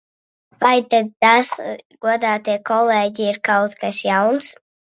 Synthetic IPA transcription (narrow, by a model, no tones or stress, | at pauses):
vajt̪ad̪̚t̪asɡ̥uɔd̪aːt̪iɛkɔlɛːɟiiɾkawt̪kasjawns